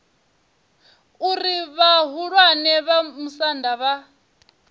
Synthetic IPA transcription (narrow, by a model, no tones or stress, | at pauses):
uriβaɦuɺwanɛβamusandaβa